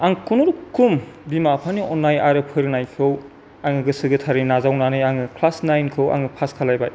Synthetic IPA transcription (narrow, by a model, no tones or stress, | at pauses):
aŋkʰunuɾukʰumbimapʰaniɔnːajaɾɯpʰɯjɾnajkʰɯw | aŋɯɡɯsɯɡɯtʰaɾinazawnanɯjaŋɯkʰlasnajnkʰɯwa̰ŋɯpʰaskʰalajbaj